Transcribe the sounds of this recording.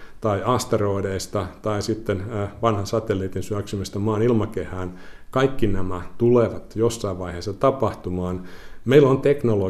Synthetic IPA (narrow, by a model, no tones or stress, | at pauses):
t̪ɑiʔɑst̪eroideist̪ɑt̪ɑisit̪ːenʋɑnhɑnsɑt̪elːiːt̪insyæksymist̪æmɑːnilmɑkehæːnkɑikːinæmæt̪uleʋɑt̪josːɑiʋʋɑiheːsːɑt̪ɑpɑht̪umɑːnmeilːont̪eknolo